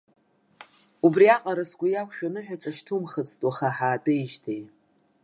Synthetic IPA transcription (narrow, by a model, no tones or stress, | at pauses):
ubriaqʼaɾasɡʷajakʷʰʃᶣanɨħᶣaʈ͡ʂʼaʃtʰumχət͡sʰʼtʼwaχaħaːdʼejʒtʰej